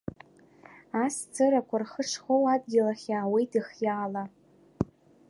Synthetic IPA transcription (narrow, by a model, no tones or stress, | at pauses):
ast͡sʰɨrakʷʰarχəʂʰχowadɡʲɪlaχʲaːwejtʰiχjaːla